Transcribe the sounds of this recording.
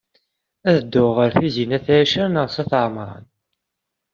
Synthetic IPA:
æðəd̪ːʊʁəɾθizinæθææʃæɾnəʁsæθəʕmɾˤɑ̰n

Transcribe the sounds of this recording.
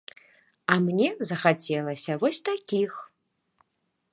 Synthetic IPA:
ɐmnʲɛzɐxat͡sʲɛlˠɐsʲɐvɔsʲt̪akʲix

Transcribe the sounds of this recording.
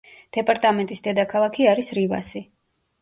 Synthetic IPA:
d̪̥ɛpʼaɾt̪ʼamɛnt̪ʼisd̪ɛd̪akʰalˠakʰiaɾisɾiva̰si

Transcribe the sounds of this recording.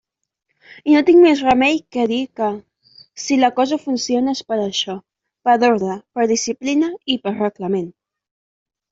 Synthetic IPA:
inot̪iŋmezrəmɛjkɛðikə | siləkɔzəfunsionespəɾəʃɔ | pəðoɾðəpəɾðisiplinəipəɾrəkləmen

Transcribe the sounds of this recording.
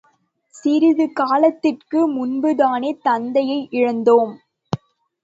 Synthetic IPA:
sɪɾɪðɯkaːlɐt̪ːɪrkɯmʊnbɯðaːneːt̪ɐnd̪ɐjɐɪʔɪɻɐnd̪oːm

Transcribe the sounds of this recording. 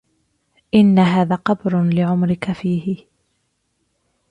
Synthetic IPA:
ʔɪnːaɦaːðaːqɑbɾlɪʕʊmɾɪkafiːhɪ

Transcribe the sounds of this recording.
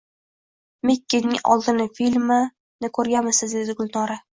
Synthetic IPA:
mekʲːenɪŋɒ̰lˠd̪ɪnɪfilʲmɪ | nɪkʰɵɾɡʲamɪsɪzd̪e̞d̪ɪɡʊlˠnɒɾa

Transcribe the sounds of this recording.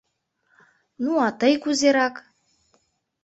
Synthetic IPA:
nuɑt̪əjkuzeɾɑk

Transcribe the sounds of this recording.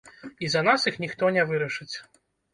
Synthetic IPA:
izɐnasixnʲixt̪ɔnʲɛvɨɾɐʂɨt͡sʲ

